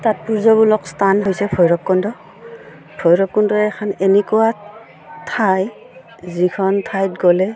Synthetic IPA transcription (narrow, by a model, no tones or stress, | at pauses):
tat̚puɹzabulɔkstanɦojsɛpʰɔjɹɔkːɔndɔ | pʰɔjɹɔkːɔndɔɛɛkʰanenɛkuwa | tʰaj | zikʰɔntʰajtɡɔlɛ